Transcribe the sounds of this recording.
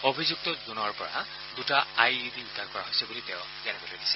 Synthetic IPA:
obʱizuk̚tɔzunɔɹpɔ̰ɹa̰ | ɡutaajiditankɔɹaɦojsɛbuliteʊ̃ | zɛnɛbɔledisɛ̥

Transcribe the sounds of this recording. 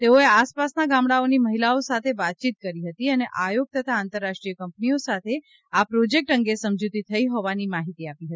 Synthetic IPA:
t̪eoeaspasnaɡãmɽaoniməɦilaosat̪ʰeʋat̪̚t͡ʃit̪̚kəɾiɦət̪iəneʔajoɡ̚t̪ət̪ʰaːnt̪əɾːaʃʈɾijəkəmpniosat̪ʰe | apɾod͡ʒek̚ʈəŋɡesəmd͡ʒut̪it̪ʰəiɦɔʋanimaɦit̪iapiɦət̪i

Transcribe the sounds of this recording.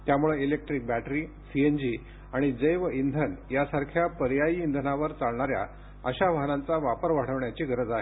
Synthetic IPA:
t̪jamuɭeilek̚ʈɾik̚bæʈɾiː | siend͡ʑi | aɽ̃id͡zəjʋəind̪ʱənjasaɾkʰjapəɾjaiːnd̪ʱənaʋəɾt͡saɭɳaɾja̰ | ə̰ɕaʋaɦnãnt͡saʋapəɾʋaɽ̤əʋɳjat͡ɕiːɡʱəɾəd͡zaɦe

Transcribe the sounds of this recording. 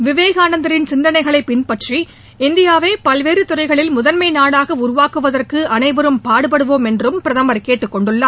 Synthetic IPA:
ʋɪʋeːɣaːnɐnd̪ɐɾɪnsɪnd̪ɐnɐɪɣɐɭɐɪpːɪnpɐʈri | ɪnd̪ɪjaːʋeːpɐlʋeːɾɯt̪ʊrɐɪɣɐɭɪlmʊðɐnmɐɪnaːɽaːɣɐʊɾʊʋaːkɯʋɐðɐrkɯʔɐnɐɪʋɐɾɯmpaːɽɯpɐɽɯʋoːmɛndrɯmpɪɾɐðɐmɐɾkeːʈːɯkːɔɳɖɯɭːaː

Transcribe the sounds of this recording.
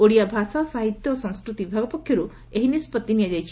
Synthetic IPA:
oɽijabʱasasaɦit̪jɔːsɔ̃ŋskɾut̪ibibʱaɡɔpɔkʰjɔɾu | eɦinispɔt̪ːinijad͡ʒajt͡ʃʰi̥

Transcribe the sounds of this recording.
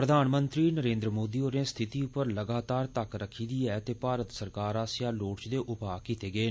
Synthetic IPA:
pɾəd̪ʱaːnmə̃nt̪ɾiːnəɾẽːnd̪ɾəmoːd̪iːoːɾẽːst̪ʰɪt̪iːʊpəɾləɡaːt̪aːɾt̪əkɾəkʰiːd̪iːɛːt̪eːpaːɾət̪səɾkaːɾaːsjaːloːɽt͡ʃd̪eːʔʊpaːkit̪eːɡeː

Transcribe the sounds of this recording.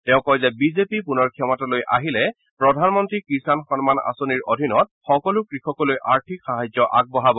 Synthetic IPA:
tɛʊ̃kɔjzɛbizepipunɔɹkʰɛmɔtalojʔa̰ɦilɛ | pɹɔdʱanmɔntɹikɹisanxɔnmana̰soniɹodʱinɔt̚xɔkɔlʊkɹixɔkɔlojʔaɹtʰikxaɦazɔʔaɡ̚bɔɦabɔ

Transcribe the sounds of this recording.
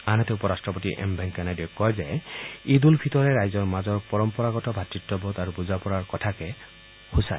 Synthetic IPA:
anɔt̪ɛupɔɹastɹɔpɔtiʔɛ̰mbʱɛŋkanadiɔkːɔjzɛid̪ulbʱitɔɹɛɹajzɔɹmazɔɹpɔɹɔmpɔɹaɡɔtɔbʱatɹitːɔbɔt̪aɹubuzapɔɹaɹkɔtʰakɛ | husa̰

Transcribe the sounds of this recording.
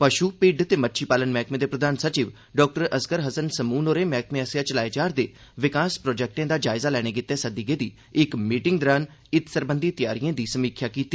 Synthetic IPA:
pəʃuːpɪɖt̪eːmətːʃʰiːpaːlənmɛːkmẽːd̪eːpɾəd̪aːnsət͡ʃiːʋ | ɖɔːk̚ʈəɾəskəɾɦəsənsəmuːnoːɾeːmɛːkmẽːəsɪjaːt͡ʃəlaːed͡ʒaːɾd̪eː | ʋɪkaːspɾɔːd͡ʒɛk̚ʈẽːd̪aːd͡ʒaːɪzaːlɛːɽ̃eːkɪt̪ːɛːsəd̪iːɡeːd̪iː | ɪkmiːʈɪŋɡd̪ɾaːn | ɪt̪səɾbənd̪iːt̪ɪjaːɾijãːd̪iːsəmiːkʰjaːkiːt̪ːiː

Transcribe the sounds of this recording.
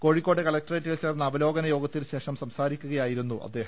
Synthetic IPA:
ko̞ːɻikʲːo̞ːɖɨkɐlɐk̚tɐreːtːilt͡ɕe̞ːrnːɐːʋɐlo̞ːɡɐnɐjo̞ːɡɐt̪ːilɕe̞ːʂɐmsɐmsaːɾikʲːuɣɐjaːjiɾunːuʔɐ̰d̪ːeːɦɐ

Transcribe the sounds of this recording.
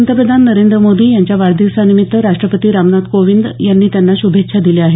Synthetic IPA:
nt̪əpɾəd̪ʱanːəɾend̪ɾəmod̪ʱiːjaɲt͡ɕjaʋaɭd̪isanimit̪ːəɾaʂʈɾəpət̪iːɾamnat̪koʋind̪janːiːt̪janːaɕubʱekʂʰad̪ileaɦe

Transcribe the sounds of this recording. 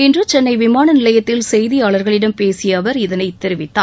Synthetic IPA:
ɪndrɯt͡ʃɛnːɐɪʋɪmaːnɐnɪlɐjɐt̪ːɪlsɛjðɪjaːɭɐɾɣɐɭɪɽɐmpeːsɪjɐʋɐɾɪðɐnɐɪt̪ːɪɾɪʋɪt̪ːa̰ː

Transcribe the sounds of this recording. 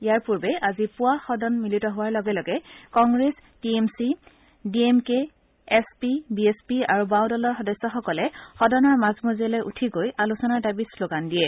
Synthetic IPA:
ijaɹpuɹbɛʔazipʊwaxɔdɔnmilitɔɦʊwaɹlɔɡɛlɔɡɛkɔŋɡɹestiemsi | diemkeː | spibiespia̰ɹubawdɔlɔɹxɔdɔsːɔxɔkɔlɛxɔdɔnɔɹmazmozɛlɔjʔutʰiɡojʔalusɔnaɹdabisloɡandijɛ

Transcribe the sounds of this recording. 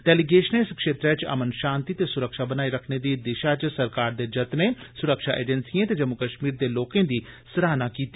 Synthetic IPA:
ɖɛːliɡeːʃneɪskʃeːt̪ɾet͡ʃɐ̰mənʃãːnt̪it̪esʊɾəkʃabənaːiɾəkʰned̪id̪ɪʃat͡ʃsɐɾkaːɾd̪ed͡ʒɐt̪nesʊɾəkʃaʔḛːd͡ʒənsiẽt̪ed͡ʒəmːʊkəʃmiːɾd̪eloːkẽːd̪isɾaːnakiːt̪i

